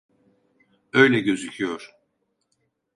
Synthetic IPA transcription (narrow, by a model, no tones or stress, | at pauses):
ø̞jlʲɛɟø̞zycʰijoɾ̥